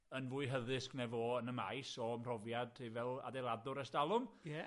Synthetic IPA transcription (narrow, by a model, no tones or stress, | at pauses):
ənvuːɨɦəðɪsknɛvɔənəma̰jsɔəmr̥ɔvjadivɛlˠa̰dɛjlˠadʊɾɛsdalˠʊmjɛ